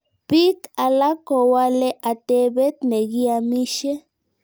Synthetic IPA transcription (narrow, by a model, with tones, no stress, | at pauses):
pi˦ka˨la˦ko˨wa˦le˦ʔa˨t̪e˦be˦t̪ne˨ɡi˦a˧mi˦ʃe˦